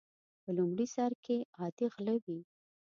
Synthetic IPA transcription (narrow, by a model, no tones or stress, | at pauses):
pəlumɽisɑɾkʰeɣɑd̪iɣlawi